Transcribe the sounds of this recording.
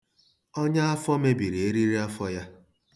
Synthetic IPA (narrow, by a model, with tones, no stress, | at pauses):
ɔ˦ɲa˦a˦fɔ˦me˦bi˨ɾe˨e˦ɾi˦ɾi˦a˦fɔ˦ja˦